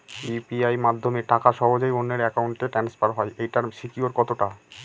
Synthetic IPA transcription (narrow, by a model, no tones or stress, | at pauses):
ipiajmad̪ʱːomeʈakaʃɔɦod͡ʑojonːeɾɛkauɳʈeʈɾɛnspaɾɦɔeʔejʈaɾʃikioɾkɔt̪oʈa